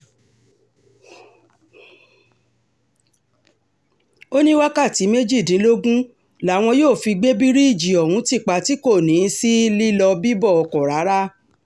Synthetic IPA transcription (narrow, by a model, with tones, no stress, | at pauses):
o˦nĩ˦wa˦ka˦˨ti˨˦me˦d͡ʒi˦˨dĩ˨˦lo˦ɡũ˦ | la˨˦˨w̃ɔ̃˧joː˦˨fi˧ɡ͡be˦bi˦ɾi˦i˦˨d͡ʒi˨ɔ˨hũ˨˦ti˦˨k͡pa˧ti˨˦ko˦˨nĩ˨˦si˦li˦lɔ˧bi˦bɔ˦˨ɔ˧kɔ˨ɾa˨˦ɾa˦